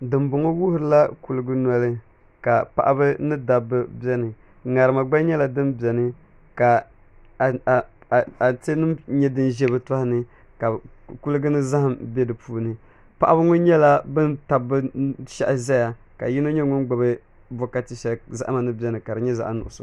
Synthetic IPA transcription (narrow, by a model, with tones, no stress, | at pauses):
dɨ˨mbʊ˨ŋo˦wu˦hʊ˨ɾɨ˨˦la˦ku˨lɨ˦ɡɨ˦nɔ˦lɨ˦ | ka˨pa̰˨ʔa˦bɨ˦nɨ˦da˨bɨ˦bɛ˦nɨ˨ | ŋa˨ɾɨ˨ma˨ɡ͡ba˦ɲɛ˦la˨dɨ˦mbɛ˨nɨ˦ | ka˨ | te˦nɨ˦ɲɛ˦dɨ˦nʒɛ˦bɨ˦ta˦hɪ˦nɨ˦ | ka˨ku˦lɨ˦ɡɨ˦nɨ˦za˦ha˨mbɛ˦dɨ˨puː˦nɨ˨ | pa˦˨ʔa˦bɨ˦ŋo˦ɲɛ˦la˦bɨ˦nta˨bɨ˦ʃa˦ʔzɛ˦ja˨ | ka̰˨ji˦no˦ɲɛ˦ŋʊ˦n˦ɡ͡ba˨bɨ˦ | bɔ˦ka˦ti˦ʃɛ˨za̰˦ʔa˦ma˨nɨ˦bɛ˦nɨ˨ka˨dɨ˨ɲɛ˦za̰˨ʔnʊ˨ʔʊ˨sʊ˨